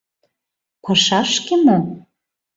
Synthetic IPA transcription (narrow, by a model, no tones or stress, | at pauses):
pɑʃɑʃkemo